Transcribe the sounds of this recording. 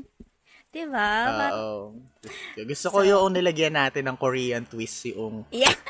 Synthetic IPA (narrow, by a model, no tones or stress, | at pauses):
d̪̥ɪbaoaʔo | ɪskoɡʊst̪okojoʔʊŋnɪlɐɡjɐnːaːt̪ɪnːɐŋkoɾiːjɐnt̪wist̪jʊʔʊŋj